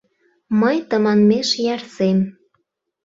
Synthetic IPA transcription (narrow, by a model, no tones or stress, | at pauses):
məjt̪əmɑnmeʃjɑrsem